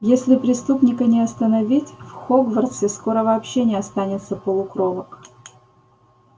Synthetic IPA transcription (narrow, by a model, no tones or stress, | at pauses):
jesʲlʲɪpɾʲɪst̪upnʲɪkənʲɪɐst̪ənɐvʲitʲfxoɡvərt̪sʲɪsko̞ɾəvɐːpɕːenʲɪɐst̪anʲɪt̪səpəlˠʊkɾovək